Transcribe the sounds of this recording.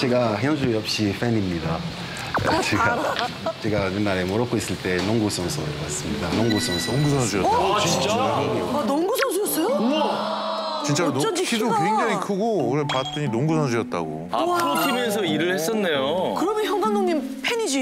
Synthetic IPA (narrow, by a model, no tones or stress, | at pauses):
t͡ɕe̞ɡaçjʌŋsʰujʌp̚ɕ͈if͈enimɲida | t͡ɕeɡa | t͡ɕe̞ɡanɯnːaɾe̞moɾʌk͈ʰois͈ɯɭt͈e̞noŋɡus͈ʰʌnsʰoɯɾwas͈ɯmɲidanoŋɡus͈ʰʌnsʰoŋɡusʰʌnsʰujʌt͈at͡ɕit͡ɕaɦaɡijoanoŋɡusʰʌnsʰujʌs͈ʌjo | t͡ɕint͡ɕ͈anʌnd͡ʑikʰidokiŋd͡ʑʌɲikʰɯɡooɾepat͈ɯɲinoŋɡusʰʌns̬ʰujʌt̚t͈a̰ɡo̰aɯɾotʰimjʌns̬ʰʌiɾɯɭhes͈ʌnːejokɯɾʌmjʌnçjʌŋɡannoŋɲin | pʰenid͡ʑi